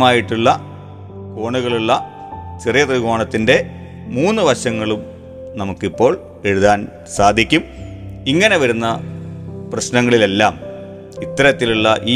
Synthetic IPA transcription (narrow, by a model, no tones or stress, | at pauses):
maːjiʈːuɭːɐ | ko̞ːɳuɣɐɭuɭːɐ | t͡ɕerijɐt̪riɣoːɳɐt̪ːinde̞ | muːnːɨʋɐɕɐŋːɐɭum | nɐmukːipːo̞ːɭ | e̞ɻuðaːn | saːd̪ʱikʲːum | iŋːɐne̞ʋɐɾunːɐ | prɐɕnɐŋːɐɭile̞lːaːm | it̪ːɐɾɐt̪ːiluɭːɐʔiː